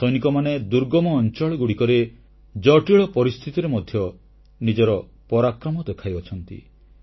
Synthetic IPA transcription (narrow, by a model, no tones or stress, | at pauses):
sɔjnikɔmaned̪uɾɡɔmɔːnt͡ʃɔɭɔɡuɽikɔɾe | d͡ʒɔʈiɭɔpɔɾist̪ʰit̪iɾemɔd̪ʱjɔ | nid͡ʒɔɾɔ | pɔɾakɾɔmɔd̪ekʰajɔt͡ʃʰɔnt̪ḭ